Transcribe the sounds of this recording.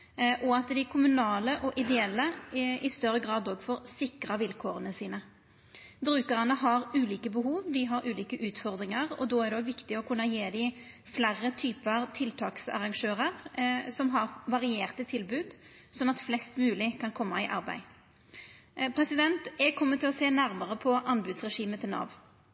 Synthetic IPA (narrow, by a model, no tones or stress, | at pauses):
ʔɔɑt̪d̪ɪkʰʊmʉnɑːləʔɔʔɪd̪ɛɛlːəɪst̪œɾːəɡʁɑːd̪oːɡfɔʁsɪkʁɑʋɪlkʰoːʁənəsiːnə | bɾʉːkəʁənəɦɑʁʉːliːkəbəɦuːʋd̪ɪɦɑɾʉːliːkəʔʉːt̪fɔʁd̪ʁɪŋəʁɔ̰d̪oːæʁd̪ɛoːɡʋɪkt̪ɪɔkʰʉnːəjeːd̪ɪ | flæʁːət̪ʰyːpəʁt̪ʰɪlt̪ʰɑːksɑ̰ʁɑŋʂøːʁəʁsɔmɦɑʁʋɑʁɪeːʁt̪ət̪ʰɪlbʉːd̪ | sɔnːɑt̪flɛst̪mʉːlɪkʰɑnkʰɔmːɑɪʔɑʁbæ̰ɪ | pʰʁɛsɪd̪ɛnt̪ɛɡkʰɔmːət̪ʰːɪlɔseːnæɾməʁəpʰɔʔɑnbʉːd̪sʁɛʂiːmət̪ʰɪlnɑ̰ʋ